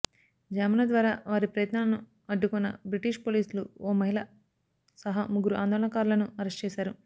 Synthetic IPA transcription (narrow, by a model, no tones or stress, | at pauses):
d͡ʒaːmɐnɐd̪ʋaːɾaːʋaːɾipɾɐjɐt̪nɐlɐnu | ɐɖːukunːɐ̰bɾiʈiːʃpoːliːsluoːmɐɦilɐ | sɐɦamuɡuɾuʔaːnd̪oːlɐɳɐkaːɾulɐnuɐɾesʈt͡ʃɛːʃaːɾu